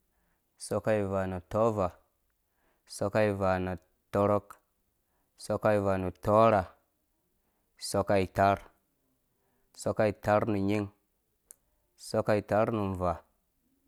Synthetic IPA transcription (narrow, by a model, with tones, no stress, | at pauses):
so˦ka˦i˨va˨nu˨to˦va˨ | so˦ka˦i˨va˨na˨ | to˦ɾo˦k | so˦ka˦i˨va˨nu˨to˦ɾa˨ | so˦ka˦i˨ta˦ɾ | so˦ka˦i˨ta˦ɾnu˨ɲi˦ŋ | so˦ka˦i˨ta˦ɾnu˨n˨va˨